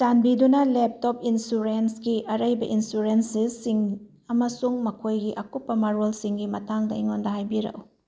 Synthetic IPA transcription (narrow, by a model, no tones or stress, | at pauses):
t͡ʃanbidunɐlep̚top̚insuɾensɡiʔɐɾɐjbɐʔinsuɾensisiŋ | ɐmɐsuŋmɐkʰojɡiʔɐkupːɐmaɾolsiŋɡimɐtʰaŋdɐiŋondɐɦajbiɾɐ̰w